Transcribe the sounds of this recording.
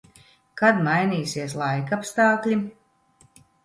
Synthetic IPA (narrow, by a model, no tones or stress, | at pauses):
kad̪majnʲiːsiɛslˠajkapst̪ɑːklʲi